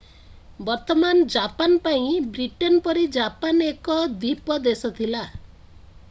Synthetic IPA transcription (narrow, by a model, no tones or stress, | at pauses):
bɔɾt̪ɔmand͡ʒapanpaĩbɾiʈɔnpɔɾid͡ʒapanekɔd̪ipɔd̪esɔt̪ʰila